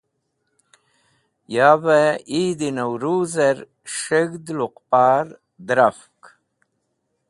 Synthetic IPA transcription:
jaːveid̪inawɾuːzeɾ | ʂəɡd̪luqpaːɾ | d̪ɾafk

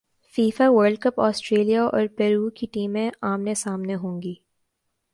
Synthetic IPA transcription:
fiːfaʋəɾɖ̚kɐpɔːsʈɾeːlijaʔɔ̰ːɾpɛːɾuːkiʈiːmẽʔaːmnesaːmneɦõːŋɡiː

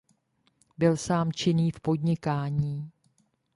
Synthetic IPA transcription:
bɪlsaːmt͡ʃɪniːfpo̞dɲɪkaːɲiː

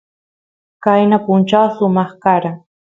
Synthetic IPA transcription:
kajnapʊnt͡ʃawsʊmɑχkaɾaŋ

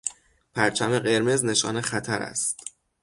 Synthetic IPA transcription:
pʰæɾt͡ʃʰæmeɢe̞ɾmezne̞ʃɒ̰ːnexæt̪ʰæɾæ̰st̪

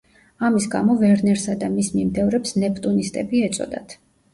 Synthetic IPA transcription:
amisɡa̰mɔvɛɾnɛɾsad̪amismimd̪ɛvɾɛpsnɛpʰʼt̪ʼunist̪ʼɛbiɛt̪sʼɔ̰d̪a̰t̪ʰ

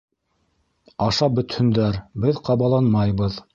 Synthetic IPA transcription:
ɑʃɑbɵ̆t̪hɵ̆nd̪æɾbɘðqɑβɑlˠɑnmɑjβɤð

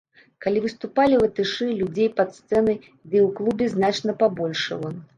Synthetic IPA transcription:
kalʲivɨst̪upalʲivɐt̪ɨʂɨlʲud͡zʲejpɐt̪st̪sɛnɐj | d̪ɨwklˠubʲɛznat͡ʂnɐpabɔlʲʂɨ̰vɔ

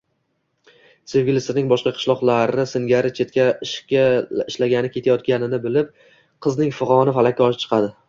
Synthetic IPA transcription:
se̞vɡʲɪlɪsɪnɪŋbɒʃqɑqʰɨ̥ʃlˠɒqlˠaɾɪsɪŋɡʲaɾɪt͡ʃʰe̞t̪kʲaɪʃkʲaɪʃlaɡʲanɪkʲʰe̞t̪ʰajɒt̪̚kʲanɪnɪbɪlɪp̚ | qʰɨznɪŋfʊʁɑnɪfalakʲːaɒʃɪp̚t͡ʃʰɨ̥qʰɑd̪ɪ

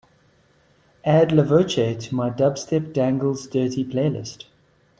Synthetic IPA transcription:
ʔædləvət͡ʃetʰəmaɪdʌbstɪp̚d̥æ̃ŋɡəlˠzdɜːˑtipʰl̥eɪlɪ̰st

